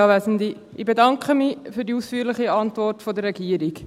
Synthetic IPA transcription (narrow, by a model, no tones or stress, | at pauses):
ɑʋæzndi | ʔɪbedɑŋkχəmifyːdiuːsfyːɾlɪχiɑntvɔrtfodəɾːɛɡiəɾik